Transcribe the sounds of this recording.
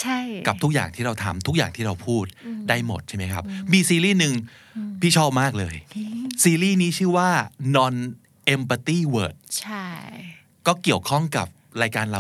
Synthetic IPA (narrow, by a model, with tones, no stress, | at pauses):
t͡ɕʰa˥˩jka˨˩p̚t̪ʰu˦˥k̚ja̰ː˨˩ŋt̪ʰiː˥˩ɾa˧wt̪ʰa˧mt̪ʰu˦˥k̚jaː˨˩ŋt̪ʰiː˥˩ɾa˧wpʰuː˥˩t̪̚daː˥˩jmo̰˨˩t̪̚t͡ɕʰa˦˥˩ma˦˥jkʰa˦˥p̚miː˧siː˧ɾiː˥˩nɯ˧ŋ | pʰiː˥˩t͡ɕʰɔː˥˩p̚maː˥˩k̚lɤ̰ː˧jsiː˧ɾiː˥˩niː˦˥t͡ɕʰɯː˥˩waː˥˩nɔ˧n | ʔe˧mpa˧t̪iː˥˩wɤ̰ː˨˩t̪̚t͡ɕʰa˥˩ | kɔː˥˩ki˨˩əwkʰɔ˥˩ŋka̰˨˩p̚ɾaː˧jkaː˧nɾa˧